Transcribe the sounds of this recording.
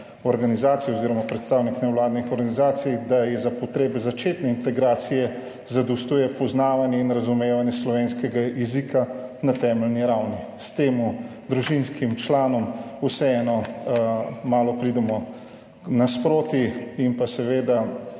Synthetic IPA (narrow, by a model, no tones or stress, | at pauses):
ɔɾɡanizaːt̪sijɛoziːɾɔmapɾɛt̪st̪awniknɛwlaːd̪nixɔɾɡanizaːt̪sijd̪ajɛzapɔt̪ɾeːbɛzat͡ʃeːt̪nɛint̪ɛɡɾaːt̪sijɛ | zad̪ɔwst̪uːjɛpɔznaːʋanjɛinɾazumeːʋanjɛslɔʋeːnskɛɡajɛzikanat̪ɛːmɛlniɾawni | st̪eːmu | d̪ɾuʒinskimt͡ʃlaːnɔmusɛɛːnɔ | maːlɔpɾid̪ɛmɔ | naspɾoːt̪iimpasɛʋeːd̪a